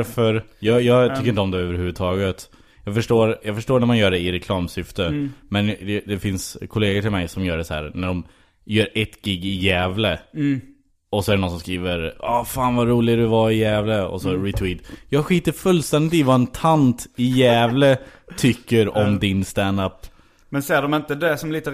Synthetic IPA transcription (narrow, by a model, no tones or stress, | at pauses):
ɾfœɾjɑːjɑːt̪ʰʏkːɾɪnt̪ɔmd̪ɛøːvəɾhʉ̟vːʉd̪t̪ʰɑːɡət̪ | jɑːɡfœʂʈoːɾjɑːɡfœʂʈoːɳæɾmanjœːɖɛɪɾɛkʰlɑːmsʏft̪əmɛnd̪ɛd̪ɛfɪnskʰɔleːɡəʈʰɪlmɛjsɔmjœːɖɛsɔhæ̰ːɾnæɖɔm | jœːɾʔɛt̪ːɡɪɡːɪjɛːvlə | ɔsɔæɾɖɛnɔnsɔmskɾiːvəɾɑːfaːnvaɾuːlɪɡd̪ɵvaɪjɛːvləɔ̰sɔɾɪt̪ʰwiːt̪jɑːɡɧiːt̪əɾfɵlːst̪ɛnd̪ɪt̪ivaɛnt̪ʰant̪ɪjɛːvlət̪ʰʏkːəɾɔmd̪ɪnst̪ænd̪apː | mɛnsɖɔmɪnt̪əd̪ɛsɔmliːt̪ə